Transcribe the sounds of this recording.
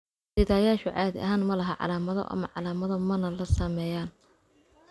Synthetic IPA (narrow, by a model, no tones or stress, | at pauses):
sɪðaːjaːʃʊʕɑːðɪ̰ʔɐ̰ɦaːnmɐlɐɦɐʕɑ̰laːmɐðɔ̰ʔɐ̰mɐ̰ʕɑlaːmɐðɔmɐnɐlɐsɐmɛːjaːn